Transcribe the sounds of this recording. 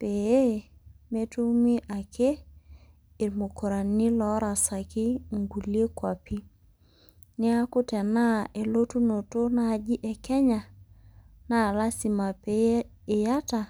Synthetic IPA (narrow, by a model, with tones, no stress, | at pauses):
pe˨e˦me˦tu˦mi˦ʔa˨kʰe˦ | ɪ˨ɾmo˨ko˨ɾa˨nːɪ˦lɔ˨˦ɾa˨sa˨kɪ˦ŋɡu˨lje˦kwa˨pi˦ | nɪ˦a˦kʊ˦tɛ˨na˦e˨lo˦tu˦no˨to˦na˦˨d͡ʒi˦ʔɛ˨kɛ˦ɲa˨ | na˦˨la˦si˨ma˨peː˦˨ | ja˦ta˨